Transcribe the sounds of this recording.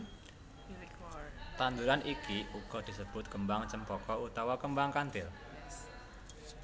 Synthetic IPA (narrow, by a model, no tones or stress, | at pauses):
t̪and̪uɾanʔikiuɡ̥ɔ̤d̪̥isəb̥ʊt̪̚kəmbaŋt͡ʃəmpɔkɔut̪awɔkəmbaŋkant̪ɪl